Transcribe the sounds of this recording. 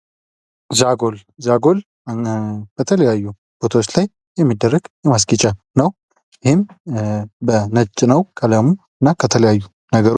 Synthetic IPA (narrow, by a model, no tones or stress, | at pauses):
zaɡolzaɡo̞l | b̥ət̪ʰələjajːu | b̥ot̪ʰawot͡ʃːlaj | jɛmːid̪ːərːəɡ̥jɛmas̬kʼit͡ʃʼa | nəw | jɪhɪm | bənət͡ʃʼːnəwkʰələmu | ɨnːakʰət̪ʰələjajːu | nəɡəɾ